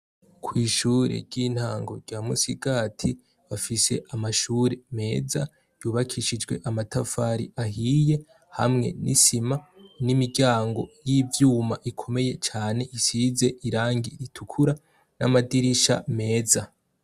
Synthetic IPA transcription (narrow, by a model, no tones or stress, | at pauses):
kʰwiːʃuːɾḛɾɟiːn̥haːŋɡo̞̰ɾɟ̥aːmusiɡaːtʰi | βafise̞̰ʔamaʃuːɾe̞me̞ːza | juːβakʰiʃid͡ʒɡwe̞ʔamatʰafaːɾḭʔaɦije̞ | ha̰mŋe̞̰nḭsimanimiɟaːŋɡo̞jiːvjuːmaʔikʰo̞me̞je̞t͡ʃaːne̞ʔisize̞ʔiɾaːŋɡiɾitʰukʰuɾa | na̰madiɾiʃa̰me̞ːza